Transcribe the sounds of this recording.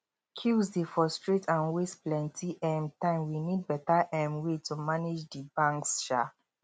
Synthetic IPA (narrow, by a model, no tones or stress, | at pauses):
kʰusdefɔstɹitʰãnwestplɛ̃ntʰiʔɛ̃mtãɪ̃mwinid̚bɛtaʔɛ̃mwetumanid͡ʒdibãŋksʃa